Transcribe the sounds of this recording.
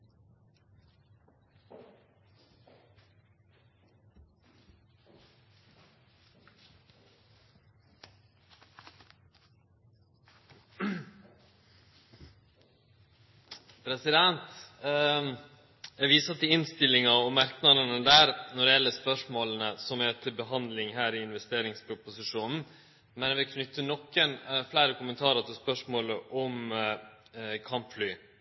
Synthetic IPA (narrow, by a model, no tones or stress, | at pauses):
pʰɾɛsɪd̪ɛnt̪ | jɛʋiːsət̪ɪɪnst̪ɪlːɪŋɑɔmæɾknɑd̪ənəd̪æːɾnɔɖ̪ɛjɛlːəspœʂmoːlənəsɔmæt̪ʰɪlbəɦɑnd̪lɪŋɦæːɾɪɪnʋɛst̪eːɾɪŋspʰɾʊpʊsɪʂuːnn̩ | mɛnɛʋɪlkʰnʏt̪ːənɔkːənflæɪɾəkʊmənt̪ʰɑːɾət̪ʰɪlspœʂmoːləʔɔm | kʰɑmpflyː